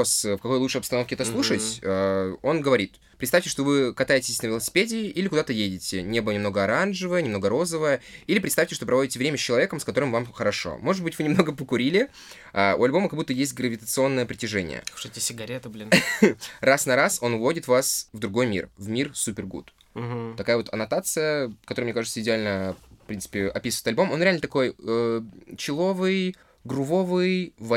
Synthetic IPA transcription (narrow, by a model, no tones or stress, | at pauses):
osfkɐko̞jlˠutt͡ʂʂəjɐpst̪ɐno̞fkʲɪɛt̪əslˠuʂətʲəo̞nɡəvɐɾʲit̪ | pɾʲt̪st̪afʲtʲɪʂt̪ovɨkɐt̪ajɪtʲɪsʲsʲnəvʲɪlˠəsʲɪ̥pʲedʲɪːilʲɪkʊd̪at̪əjedʲɪtʲɪnʲebɨlˠənʲɪmno̞ɡəɐɾanʐɨvəjənʲɪmno̞ɡəɾo̞zəvəjəilʲɪpɾʲt̪st̪afʲtʲɪʂt̪opɾɐvo̞dʲɪtʲɪvɾʲemʲəsʲt͡ɕːɪlˠɐvʲekəmskɐt̪o̞ɾɨmvamxəɾɐʂo̞̰mo̞ʐɨd̪bɨtʲvɨnʲɪmno̞ɡəpəkʊɾʲilʲɪ | auɐlʲbo̞məkɐɡbut̪ːəjesʲt̚ʲɡɾəvʲɪt̪ət̪sɨo̞nːəjəpɾʲɪtʲɪʐɛnʲɪ̰jə̰̥ʂetʲɪsʲɪɡɐɾʲet̪əblʲin | rasnɐɾaso̞nvo̞dʲɪt̪vasvd̪ɾʊɡo̞jmʲḭrvmʲirsupʲɪrɡṵt̪̩ | t̪ɐkajəvo̞t̪ɐnɐt̪at̪sɨjəkɐt̪oɾɨjmnʲekaʐɨt̪səɪdʲɪalʲnəfpɾʲint̪sɨ̥pʲɪɐpʲisvəɪt̪ɐlʲbo̞mo̞nɾʲɪalʲnət̪ɐko̞jət͡ɕɪlˠo̞vɨj | ɡrʊvo̞vɨjvɐ